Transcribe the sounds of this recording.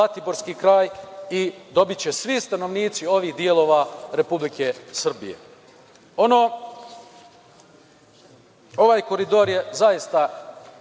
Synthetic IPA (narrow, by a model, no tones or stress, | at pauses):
at̪ibo̞ɾskikɾaːjid̪o̞bit͡ɕe̞sʋist̪ano̞ʋniːt̪sio̞ʋiːhd̪ie̞lˠo̞ːʋaɾe̞publike̞sr̩bḭjḛ | o̞noː | o̞ʋaːjko̞ɾid̪o̞ːɾjezajist̪a